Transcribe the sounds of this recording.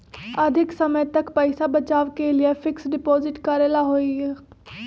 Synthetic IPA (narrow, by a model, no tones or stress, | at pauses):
əd̪ʱɪksəməjt̪əkpəɪsabət͡ʃaːʋkelɪefʰɪksɖɪpoːzɪʈkaːɾeːlaɦoːi